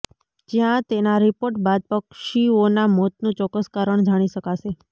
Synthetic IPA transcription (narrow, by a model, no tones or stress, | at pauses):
d͡ʒijãt̪enaɾipoɾʈbad̪̚pəkʃionamɔt̪nũt͡ʃɔkːəskaɾəɳd͡ʒaɽ̃iʃəkaʃe